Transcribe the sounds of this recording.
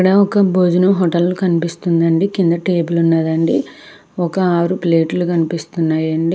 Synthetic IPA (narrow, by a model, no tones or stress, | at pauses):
kɐɽɐɔkɐbod͡ʒ̪unɐɦɔʈɐllukɐnipist̪und̪ɐɳɖikind̪ɐʈe̞ːbulunːaːd̪ɐɳɖi | ɔkɐaːɾupleːʈlukɐnipist̪unːaːjɐɳɖi